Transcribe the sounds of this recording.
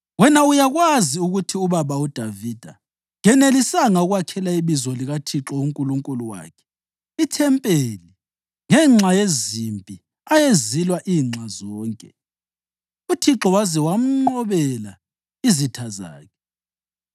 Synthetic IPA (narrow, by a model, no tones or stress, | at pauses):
wɛnaujaɣwaziuɣutʰiuβaβaud̥ʱavid̥ʱa̰ | ŋɛnelisaŋaɣwakʰɛlaiβizɔliɣatʰiǁɔuŋkʼuluŋkʼuluwa̰ːkʰɛ̥ | itʰɛmpʼeli | ŋɛŋ͡ǁʱajezimpʼi | ajezilwaʔiːŋ͡ǁʱazɔːŋkʼɛ | utʰiǁɔwazɛwam̩ŋ͡ǃɔβɛla | izitʰaza̰ːkʰɛ̥